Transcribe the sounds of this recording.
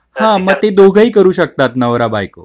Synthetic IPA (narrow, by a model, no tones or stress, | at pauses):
hãməɡ̚t̪ed̪oɡʱəiːkəɾuːɕək̚t̪at̪nəʋɾabajko̰